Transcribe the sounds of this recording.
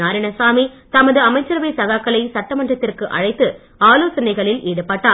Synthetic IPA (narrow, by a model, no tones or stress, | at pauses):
aːɾɪnɐsaːmit̪ɐmɐðɯɐmɐɪt͡ʃːɐɾʋɐɪsɐɣaːkːɐɭɐɪsɐʈːɐmɐɳrɐt̪ːɪrkɯʔɐ̰ɻɐɪt̪ːɯ | aːloːsɐnɐɪɣɐɭɪleːɽɯpːaːʈːaː